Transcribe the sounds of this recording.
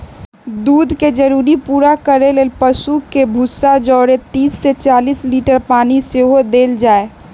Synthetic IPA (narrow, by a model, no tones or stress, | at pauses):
d̪uːd̪ʱked͡ʒəɾuːɾipuːɾakəɾeleːlpəsukebʱusad͡ʒɔːɾet̪iːsːet͡ʃaːliːsliːʈəɾpaːniseɦod̪eːld͡ʒaːe